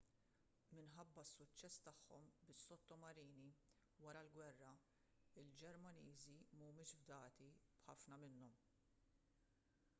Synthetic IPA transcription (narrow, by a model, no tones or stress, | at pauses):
mɪnħɐbːɐsːʊt͡ʃːɛst̪ɐħːɔ̰mbɪsːɔt̪ːɔmɐɾiːni | wɐɾɐlɡwɛrːɐ | ɪld͡ʒɛɾmɐniːzimɐmɪːʃbd̪ɐːt̪ibħɐfnɐmɪnːɔm